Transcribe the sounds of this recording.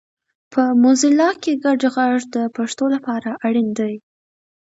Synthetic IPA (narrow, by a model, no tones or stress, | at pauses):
pʰəmozɪlɑkeɡaɖɣɑʐd̪əpaʂt̪olapɑɾaʔaɽind̪aj